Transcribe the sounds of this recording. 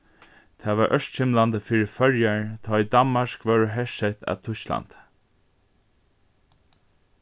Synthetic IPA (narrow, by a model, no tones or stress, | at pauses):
t̪ʰæːʋaːɹʔœʃt̪ʃɪmland̪əfiːɹəfœɹjæɹt̪ʰɑːiːd̪ɑnmaʃkʋɑɹɦɛʃɛt̪æ̰ːt̪ʰʊʃla̰nd̪̥